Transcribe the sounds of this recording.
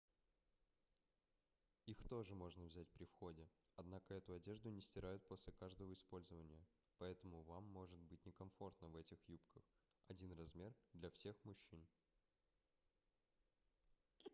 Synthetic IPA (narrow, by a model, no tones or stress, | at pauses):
ixt̪o̞ʐɨmo̞ʐnəvzʲæt̚ʲpɾʲɪfxo̞dʲɪ | ɐd̪nakəɛt̪ʊɐdʲe̞ʐd̪ʊnʲɪsʲtʲɪɾajʊt̪̚po̞sʲlʲɪkaʐd̪əvəɪspo̞lʲzəvənʲɪjə | pɐɛt̪əmʊvamːo̞ʐɨt̪̚bɨt̚ʲnʲɪkɐmfo̞rt̪nəvɛtʲɪxjupkəx | ɐdʲinrɐzmʲe̞rd̪lʲɐfsʲe̞xmʊɕːin